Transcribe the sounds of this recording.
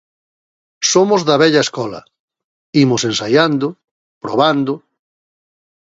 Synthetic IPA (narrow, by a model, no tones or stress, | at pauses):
somʊzðɐβɛʎɐeskɔlɐ̰ | imʊsensajand̪ʊ | pɾo̰β̞and̪ʊ